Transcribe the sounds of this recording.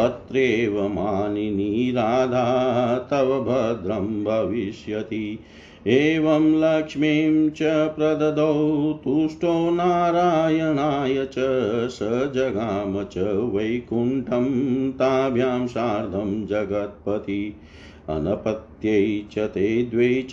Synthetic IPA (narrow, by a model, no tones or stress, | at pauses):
ɐt̪ɾeːʋɐmaːniniːɾaːd̪ʱaːt̪ɐʋɐbʱɐd̪ɾɐmbʱɐʋiʃjɐt̪i | eːʋɐmlɐkʂmeːmt͡ʃɐpɾɐd̪ɐd̪ɐwt̪uːʂʈoːnaːɾaːjɐnaːjɐt͡ʃɐsɐd͡ʒɐɡaːmɐt͡ʃɐʋɐjkuɳʈɐmt̪aːbʱjaːmʃaːɾd̪ʱɐmd͡ʒɐɡɐt̪̚pɐt̪i | ɐ̰nɐpɐt̪jɐjt͡ʃɐt̪eːd̪ʋe